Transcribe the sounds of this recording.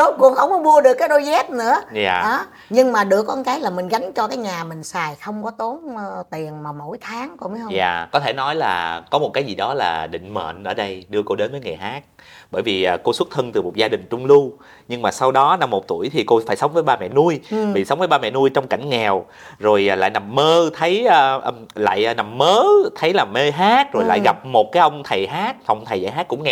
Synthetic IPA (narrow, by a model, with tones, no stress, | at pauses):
ɗo˨˦jkʊ˨˩ənxə˧wŋ͡mkɔ˨˦mu˧əɗɨ˨˩əkːaː˨˦jɗo˧jzɛ˦˥t̚nɨ̰˧˥əja̰ː˨˩ʔaː˨˦ | ɲɨ˧ŋmaː˨˩ɗɨ˧˩əkːɔ˧nkaː˨˦jlaː˨˩mï˨˩ŋ̟ɣa˨˦jŋ̟t͡ɕɔ˧kaː˨˦jɲaː˨˩mï˨˩ŋ̟saː˨˩jxə˧wŋ͡mkɔ˨˦t̪o˨˦nː˧t̪i˨˩ənmaː˨˩mo˧˩jt̪ʰaː˨˦ŋkɔ˧˩m˨˦hə˧˩jaː˨˩kɔ˨˦t̪ʰe˧˩nɔ˨˦jlaː˨˩kɔ˨˦m˨˩t̚kaː˨˦jzi˨˩ɗɔ˨˦la̰ː˨˩ɗḭ̈˧˨ŋ̟mə̰ː˧˨nʔəː˧˩ɗə˧jɗɨ˧əko˧ɗe˨˦nvəː˨˦jŋa˨˩jɦaː˦˥k̚ | ɓəː˧˩jvi˨˩ʔəː˨˩ko˧swt̚t̪ʰə˧nt̪ɨ˨˩mo˨˩t̚zaː˧ɗï˨˩ŋ̟t͡ɕʊ˧ŋ͡mlu˧ | ɲɨ˧ŋmaː˨˩sa˧wɗɔ˨˦na˧mːo˨˩t̚t̪u˧˩əjt̪ʰi˨˩ko˧faː˧˩jsə˨˦ŋ͡mvəː˨˦jɓaː˧mɛ̰˧˨nu˧əjɓḭ˨˩sə˨˦wŋ͡mvə˨˦jɓaː˧mɛ̰˧˨nu˧əjt͡ɕɔ˧wŋ͡mka˧˩ŋ̟ŋɛ˨˩w | zo˨˩jːla̰ː˧˨jna˨˩mːəː˧t̪ʰə˨˦jəː˧ʔ | la̰ː˧˨jna˨˩mːəː˨˦t̪ʰə˨˦jlaː˨˩me˧ɦaː˦˥k̚zo˨˩jla̰ː˧˨jɣa˨˩p̚mo˨˩t̚kaː˨˦jʔə˧wŋ͡mt̪ʰə˨˩jɦaː˦˥t̚fa˨˩wŋ͡mt̪ʰə˨˩jza̰ː˧˨jɦaː˦˥k̚kʊ̰˧˥ŋ͡mŋɛ˨